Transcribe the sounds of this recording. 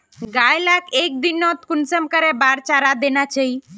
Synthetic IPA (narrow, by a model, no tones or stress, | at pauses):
ɡajlakek̚d̪inːɔt̪kʊnsəmkəɾebaɾt͡ʃaɾad̪enat͡ʃəi